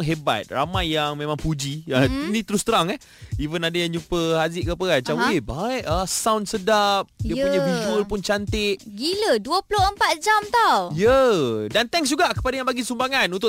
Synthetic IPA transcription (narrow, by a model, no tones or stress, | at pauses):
ŋɦeba̰t̪̚ramajːaŋmẽmãŋpud͡ʒiainĩt̪əɾʊst̪əɾaŋɛh | ivənadajaŋɲupəɦazɪʔkapəkat͡ʃaebaiʔəsawnsədap̚diəpuɲawivuəlpʊnt͡ʃant̪ɪʔ̚ɡiləduəpulohəmpat̪̚d͡ʒamt̪awjədant̪ɛŋsd͡ʒuɡaʔkə̥padajaŋbaɡisumbaŋanunt̪ʊ